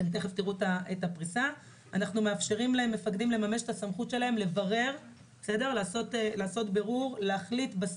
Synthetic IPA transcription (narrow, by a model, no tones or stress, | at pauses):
lt̪eχeft̪iʁutaetapʁisa | anaχnume̞afʃe̞ʁimlaemːe̞fakdimle̞mame̞ʃetasamχutʃe̞lae̞mle̞vaʁe̞ʁ | bese̞de̞ʁlaːsotlaːso̞tbe̞ʁuʁleaχlitbas